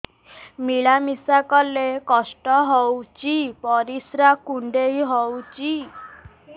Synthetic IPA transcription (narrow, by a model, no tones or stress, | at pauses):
miɭamisakɔlekɔsʈɔɦɔwt͡ʃipɔɾisɾakuɳɖeiɦɔwt͡ʃi